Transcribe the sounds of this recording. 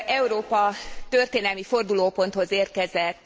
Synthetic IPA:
ʔɛuɾoːpɒt̪ørt̪eːnɛlmifo̞rd̪uloːpo̞nt̪ho̞zeːrkɛzɛt̪ː

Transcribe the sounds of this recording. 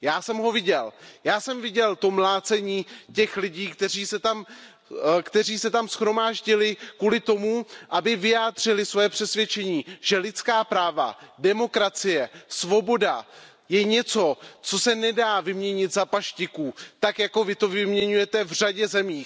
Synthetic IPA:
jaːsɛmɦo̞vɪɟɛljaːsɛmvɪɟɛlt̪o̞mlaːt͡sɛɲiːcɛxlɪɟiːkt̪ɛr̝iːsɛt̪am | kt̪ɛriːsɛt̪amsxɾo̞maːʒɟɪlɪkuːlɪt̪o̞muʔabɪvɪjaːd̪r̝̥ɪlɪsvojɛpr̝̥ɛsvjɛt͡ʃɛɲiːʒ̥ɛlɪt̪t͡skaːpɾaːva̰dɛmo̞kɾat͡sɪjɛsvo̞bo̞da | jɛɲɛt͡so̞t͡so̞sɛnɛdaːvɪmɲɛɲɪt̪zapaʃcɪkuːt̪akjako̞vɪt̪o̞vɪmɲɛɲujɛt̪ɛvr̝aɟɛzɛmiː

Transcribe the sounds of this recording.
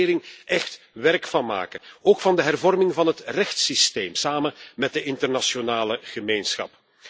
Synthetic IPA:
ɪːɾɪŋɛxt | ʋɛrkfɑnma̰ːkəoːkfɑndəɦɛrvɔrmɪŋvɑnɦətrɛxtsisteːmsaːmənmɛt̚dəʔɪntərnaʃonaːləɣəmeːnsxɑ̰p

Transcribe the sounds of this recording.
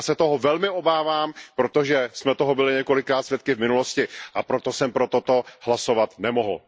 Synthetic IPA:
sɛt̪oɦovɛlmɪʔo̞baːvaːmpɾo̞t̪o̞ʒɛsmɛt̪oɦobɪlɪɲɛko̞lɪkːɾaːt̪svjɛt̪̚kɪvmɪnulo̞scɪʔapɾot̪o̞sɛmpɾo̞t̪o̞t̪o̞ɦlaso̞vat̪nɛmoɦl̩

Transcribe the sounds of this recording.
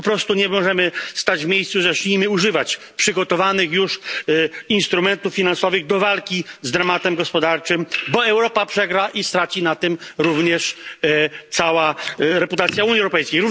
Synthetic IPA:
pɔpɾɔst̪uɲɛmɔʐɛmɘst̪ad͡ʑvmʲjejssuʐɛɕɲimɘuʐɘvat͡ɕ | pʂɘɡɔt̪ɔvanɘxjuʂ | inst̪ɾumɛnt̪ufːʲinansɔvɘɣd̪ɔvalkʲizd̪ɾamat̪ɛmɡɔspɔd̪aɾt͡ʂɘmbɔɛwɾɔpapʂɛɡɾaʔist̪ɾat͡ɕinat̪ɘmɾuvɲɛʂ | t̪sawaɾɛput̪at̪sʲjauɲiɛwɾɔpɛjskʲejɾuv

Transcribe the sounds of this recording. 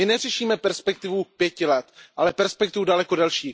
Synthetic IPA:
ɪnɛrɛʃiːmɛpɛɾspɛk̚t̪ɪvupjɛcɪlɛt̪ʔalɛpɛɾspɛk̚t̪ɪvudalɛkodɛlʃiː

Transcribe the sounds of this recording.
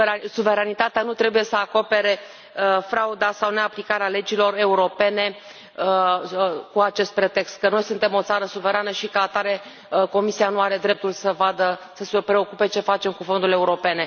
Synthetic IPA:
suve̞ɾanit̪at̪eanut̪ɾe̞buje̞səako̞pe̞ɾe̞ | əfɾaud̪asawne̞aplikaɾeale̞d͡ʒilo̞ɾe̞uɾo̞pe̞ne̞ | ə | kuat͡ʃe̞st̪̚pɾe̞t̪e̞kst̪̚kəno̞jsunt̪e̞mo̞t̪saɾəsuve̞ɾanəʃikəat̪aɾe̞ | ko̞misianuaɾe̞d̪ɾe̞p̚t̪ulsəvad̪əsəsepɾe̞o̞kupe̞t͡ʃe̞fat͡ʃe̞mkufo̞nd̪ule̞uɾo̞pe̞ne̞

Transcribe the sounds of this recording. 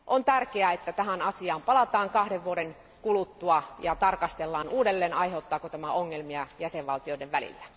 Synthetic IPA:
ʔont̪ærkeæet̪ːæt̪æɦænɑsiɑːmpɑlɑt̪ɑːŋkɑhɾeʋʋuoɾeŋ | kulut̪ːuɑjɑt̪ɑrkɑst̪elːɑːnuːdelːeːnɑiɦeut̪ːɑːkot̪æmæoŋːelmiɑjæseʋʋɑlt̪ioĭdeʋʋælḭlːæ̥

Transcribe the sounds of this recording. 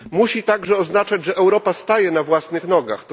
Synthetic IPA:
muɕit̪aɡʐɛɔznat͡ʂad͡ʑʐɛʔɛwɾɔpast̪ajɛnavwasnɘxnɔɡa̰xt̪

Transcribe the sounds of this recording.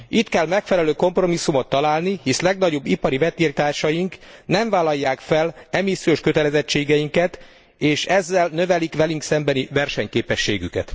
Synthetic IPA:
it̪kɛlmɛkfɛlɛløːko̞mpro̞misːumo̞t̪ːɒlaːlnihislɛɡnɒɟo̞bːipɒɾivɛt̪iːrt̪aːrʃɒjiŋknɛɱvaːlɒjːaːkfɛlɛmisːijoʃkøt̪ɛlɛzɛt͡ʃːeːɡɛjiŋkɛt̪ | eːʃɛzːɛlnø̞vɛlikʋɛlyŋksɛmbɛnivɛrʃɛɲkeːpɛʃːḛːɡykɛ̰t̪

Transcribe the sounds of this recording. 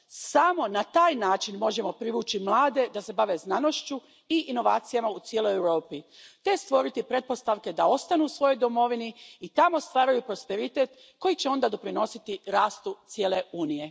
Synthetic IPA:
samo̞nat̪aːjnaːt͡ʃinmo̞ʒe̞mo̞pɾiʋuːt͡ɕimlˠaːd̪e̞d̪ase̞baʋe̞znano̞ʃt͡ʃu | iːno̞ʋa̰ːt̪sijamaut̪sjeːlo̞jewɾo̞ːpit̪e̞st̪ʋo̞ɾit̪ipɾe̞t̪̚po̞st̪aʋke̞d̪ao̞st̪anuːsʋo̞jo̞jd̪o̞mo̞ʋiniːt̪amo̞st̪ʋaːɾajupɾo̞spe̞ɾit̪et̪ | ko̞jit͡ɕeo̞nd̪ad̪o̞pɾino̞sit̪iɾaːst̪ut̪sjeːle̞uːnije̞

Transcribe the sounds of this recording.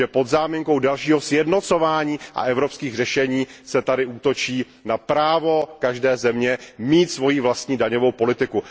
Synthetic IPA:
ɛpo̞d̪zaːmɪŋko̞wdalʃiːɦosjɛdno̞t͡so̞vaːɲiːʔa̰ʔɛvɾo̞pskiːɣrɛʃɛɲiːsɛt̪adɪʔuːt̪o̞t͡ʃiː | napɾaːvo̞kaʒdɛːzɛmɲɛmiːt̪svo̞jivlast̪ɲiːdaɲo̞vo̞wpo̞lɪt̪ɪku

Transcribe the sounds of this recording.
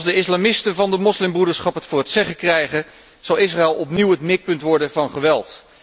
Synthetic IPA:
sdəɪslamɪstəvɑndəmɔslɪmbrudəɹsχɑpɦətfʊːrɦətsɛχəkrɛjχən | z̥ɑlˠɪs̬raɛlˠɔpniwɦətmɪk̚pɵntʋɔɹdənvɑnχəʋɛlˠt

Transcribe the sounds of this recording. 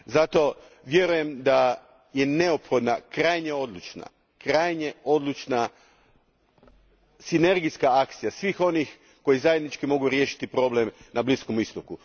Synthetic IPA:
zat̪o̞ | ʋje̞ɾuje̞md̪a | je̞ne̞opxo̞d̪nakɾajɲeo̞d̪lˠut͡ʃna̰ | kɾajɲeo̞d̪lˠut͡ʃna | sine̞ɾɡijskaakt̪sijasʋixo̞nix | ko̞jizajed̪nit͡ʃkimo̞ɡuɾje̞ːʃi̥t̪ipɾo̞blemnablisko̞mist̪oku

